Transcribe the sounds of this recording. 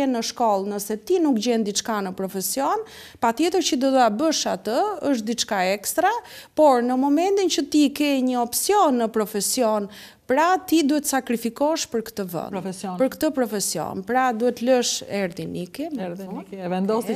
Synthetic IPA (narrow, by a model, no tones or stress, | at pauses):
ɛnːəʃkɔlˠnəsɛt̪inukd͡ʑɛnd̪it͡ʃkanəpɾɔfɛsjɔn | pat̪jɛt̪əɾt͡ɕəd̪ɔd̪uabəʃat̪əəʃt̪̚d̪it͡ʃkaɛkst̪ɾapɔɾnəmɔmɛnt̪int͡ɕət̪ikɛjɲəɔpsjɔnːəpɾɔfɛsijɔn | pɾat̪id̪uhɛt̪ːəsakɾifikɔʃpəɾkt̪əvə̰npəɾkt̪əpɾɔfɛsjɔ̰npɾad̪uɛt̪ləʃɛɾðinikɛ | vɛnd̪ɔs